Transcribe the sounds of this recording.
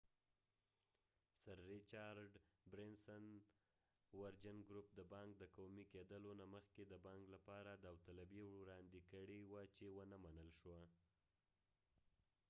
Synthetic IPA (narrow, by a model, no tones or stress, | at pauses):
saɾːit͡ʃɑɾɖbɾɪnsən | waɾd͡ʒanɡɾup̚d̪əbɑŋk̚d̪əkowmiked̪əlonaməxked̪əbɑŋklapɑɾad̪awt̪alabjewɾɑnd̪ikəɽiwat͡ʃewənəmanəlʃwa